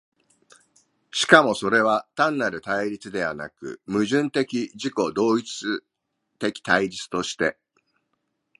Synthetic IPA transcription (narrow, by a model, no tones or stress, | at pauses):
ɕi̥kamo̞so̞ɾe̞β̞at̪ãnːaɾɯ̟t̪aiɾʲit͡sɨd̪e̞βana̰kɯ̟̰mɯ̟ʑɨ̃nt̪e̞kʲiʑiko̞d̪o̞ːit͡sɨ | t̪e̞kʲi̥t̪aiɾʲit͡sɨ̥t̪o̞ɕi̥t̪e̞